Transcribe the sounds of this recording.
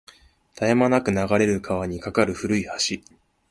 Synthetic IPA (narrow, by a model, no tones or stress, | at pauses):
t̪ʰajamanakɯ̟naɡaɾe̞ɾɯ̟kʰaβaɲ̟ikakaɾɯ̟ɸɯ̟ɾɯ̟ihaɕi